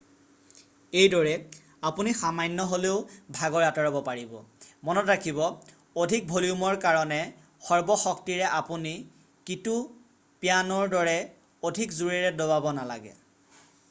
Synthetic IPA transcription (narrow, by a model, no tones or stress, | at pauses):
ejdɔɹɛ | apunixamajnːɔɦoleʊbʱaɡɔɹatɔɹɔbɔpaɹibɔ̰mɔnɔtɹakʰibɔ | odʱik̚bʱoliumɔɹkaɹɔnɛ | xɔɹbɔxɔk̚tiɹɛʔapuni | kitu | pjanɔɹdɔɹɛ | odʱikzuɹɛɹɛdobabɔnala̰ɡɛ̰